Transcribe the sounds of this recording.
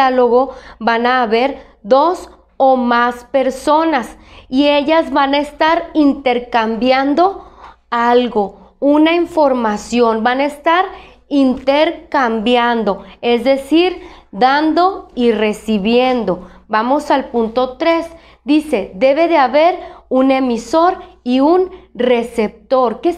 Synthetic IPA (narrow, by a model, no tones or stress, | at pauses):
alo̞ɣo̞banaːβe̞ɾ | ðo̞s | omaspe̞ɾso̞nasie̞ʝazβanaest̪aɾint̪e̞ɾkambjand̪o̞ | alɣo̞unaiɱfo̞ɾmasjo̞nbanaest̪aɾ | int̪eɾkambjand̪o̞e̞zðe̞siɾd̪and̪o̞ire̞siβje̞nd̪o̞bamo̞salpunt̪o̞t̪ɾe̞z | d̪ise̞ðe̞βe̞ðeaβe̞ɾune̞miso̞ɾiunre̞se̞p̚t̪o̞ɾke